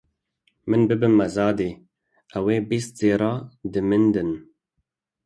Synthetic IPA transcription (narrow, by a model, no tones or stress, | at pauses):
mɨnbɨbɨmːɛzɑːd̪eː | ɛweːbist̪̚z̥eːɾɑːd̪ɨmɨnd̪ɨn